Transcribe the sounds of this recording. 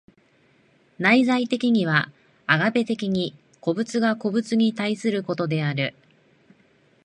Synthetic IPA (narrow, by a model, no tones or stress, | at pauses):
naizait̪e̞kʲiɲ̟iβ̞a | aɡabe̞t̪e̞kʲiɲ̟i | ko̞bɯ̟t͡sɨɡako̞bɯ̟t͡sɨɲ̟it̪aisɨɾɯ̟ko̞t̪o̞d̪e̞aɾɯ̟